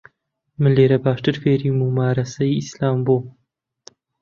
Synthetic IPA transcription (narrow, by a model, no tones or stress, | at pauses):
mɨleːɾɐbaːʃt̪ɨɾfeːɾimumaːɾɐsɐjislaːmboː